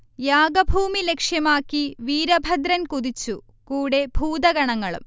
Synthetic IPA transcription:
jaːɡɐbʱuːmile̞kʂjɐmaːkːiʋiːɾɐbʱɐd̪ɾɐnkuðit͡ɕːu | kuːɽe̞bʱuːd̪ɐɡɐɳɐŋːɐɭṵm

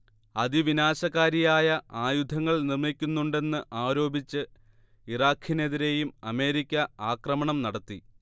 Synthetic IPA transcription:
ɐðiʋinaːɕɐɣaːɾijaːjɐʔaːjud̪ʱɐŋːɐɭnirmikʲːunːuɳɖe̞nːɨʔaːɾo̞ːbit͡ɕːɨ | iraːkʰine̞ðiɾe̞jumɐme̞ːɾikʲːɐaːkrɐmɐɳɐmnɐɽɐt̪ːi

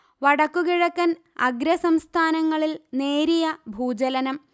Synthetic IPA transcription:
ʋɐɽɐkːukiɻɐkːɐn | ɐ̰ɡɾɐsɐmst̪ʰaːnɐŋːɐɭilne̞ːɾijɐbʱuːd͡ʑɐlɐnɐm

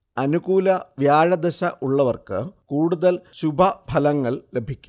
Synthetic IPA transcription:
ɐnuɣuːlɐʋjaːɻɐd̪ɐɕɐʔuɭːɐʋɐrkɨkuːɽuðɐlɕubʱɐbʱɐlɐŋːɐɭle̞bʱikʲːu̥

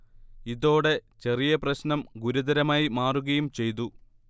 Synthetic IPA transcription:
iðo̞ːɽe̞t͡ɕe̞rijɐprɐɕnɐmɡuɾuðɐɾɐmaːjimaːruɣɐjumt͡ɕe̞jt̪u

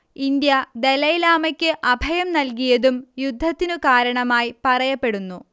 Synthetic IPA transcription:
ind̪jɐd̪elɐjlaːmɐkʲːɨʔɐbʱɐjɐmnɐlk̬ijɐðumjud̪ʱːɐt̪ːinukaːɾɐɳɐmaːjipɐrɐjɐpːe̞ɽunːu

